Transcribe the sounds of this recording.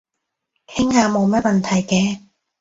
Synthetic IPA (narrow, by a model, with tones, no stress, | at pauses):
k̪ʰɪ˥ŋhaː˧mo˨˧wmɐ˥t̚mɐ˨nt̪ʰɐ˨˩jkɛː˧